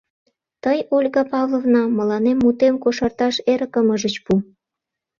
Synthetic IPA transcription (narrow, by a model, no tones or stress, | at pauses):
t̪əjolʲɣɑpɑvlˠovnɑmə̆lɑnemːut̪emkoʃɑrt̪ɑʃeɾəkəməʒət͡ɕpu